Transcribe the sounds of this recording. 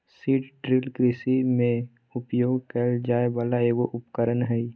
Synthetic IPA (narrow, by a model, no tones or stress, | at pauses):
siːʈɖɾilkɾɪsimẽ | ʊpjoːɡkəld͡ʒaːebaːlaeːɡoʔʊpkəɾənɦɛi